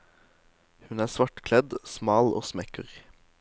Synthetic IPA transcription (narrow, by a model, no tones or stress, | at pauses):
hʉnæːsʋɑʈkʰlɛd̪smɑːlo̰ːsmɛkəʁ